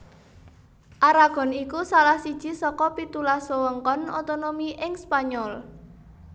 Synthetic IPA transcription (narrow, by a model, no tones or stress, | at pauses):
ʔaɾaɡ̥ɔ̤nikusalahsid̥ʒ̥i̤sɔkɔpit̪ulaswəwəŋkɔno̰t̪onomiʔɪŋspaɲɔl